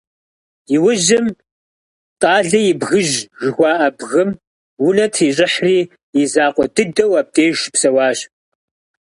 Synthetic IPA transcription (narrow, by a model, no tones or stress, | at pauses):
jɪwʊʒɪm | tʼɑːɮɐjɪbɣɨʒʒɪxʷɑːʔɐbɣɨm | wʊnɐtʰiːɕʼɪħriː | jɪzaːqʷʼɔdɨdɐwaːp̚tʼeːʒpsɐwɑːɕ